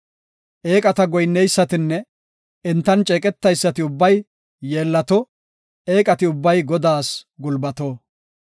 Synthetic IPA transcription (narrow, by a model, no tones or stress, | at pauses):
ʔeːkʼɐt̪ɐɡɔjnːɛjsːɐt̪ɪnːɛ | ɪnt̪ːɐnt͡ʃʼeːkʼɛt̪ːɐjsːɐt̪ɪʊbːɐj | je̞ːlːɐt̪ɔ | eːkʼɐt̪ɪʊbːɐjɡɔd̪aːsɡʊlbɐt̪oː